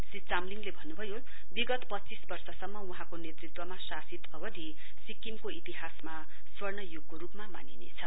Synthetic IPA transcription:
sit͡samliŋlebʱʌnːubʱʌjo | biɡʌt̪pʌtːt͡sisbʌrsʌsʌmːʌuɦãkonet̪rit̪wʌmasasit̪ʌbʌd̪i | sikimkoit̪iɦasma | swʌrnʌjuɡ̚koɾupmama̰ninḛt͡sʰʌ

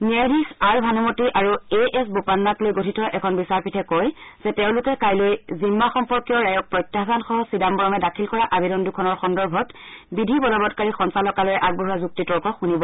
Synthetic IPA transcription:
niajdixaɹbʱanumotiʔaɹueʔɛsbopanːaklojɡotʰitɔʔɛkʰɔnbisaɹpitʰɛkɔjz̥ɛteʊ̃lʊkɛkajlojzimːaxɔmpɔɹkijɔɹajɔk̚pɹɔjtjasanxɔɦɔsidambɔɹɔmɛdakʰilkɔɹaʔabedɔndukʰɔnɔɹxɔndɔɹbʱɔtbidʱibɔlɔbɔtkaɹixɔnsalɔkalɔjɛʔaɡ̚bɔɦuazuk̚titɔɹkɔxunibɔ

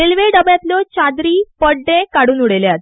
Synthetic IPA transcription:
elʋeɖəbjat̪lɔt͡ɕad̪ɾiːpəɖːẽkaɽuːnuɽeljat̪

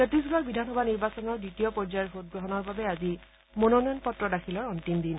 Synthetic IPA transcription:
etis̬bakbidʱanxɔbʱaniɹbasɔnɔɹditiɔpɔɹzajɛɹbʰʱot̚ɡɹɔɦɔnɔɹbabɛazi | mɔnɔnɔjɔnpɔtɹɔdakʰilɔɹɔntimdin

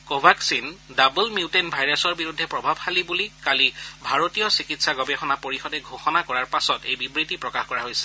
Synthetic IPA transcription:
kobʱaksindabulmiutenbʱajɹasɔɹbiɹudʱːɛpɹɔbʱabxalibulikalibʱaɹotijɔsikitsaɡɔbɛxɔnapoɹixɔdɛɡʱoxɔnakɔɹaɹpasɔtḛjbibɹitipɹɔkaxkɔɹaɦojsɛ̥

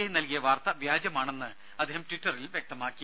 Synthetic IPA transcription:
ɐjinɐlkijɐʋaːrt̪ɐʋjaːd͡ʑɐmaːɳe̞nːɨ | ɐd̪ʱeːhɐmtʋiʈːɐrilʋjek̚t̪ɐmaːkːi

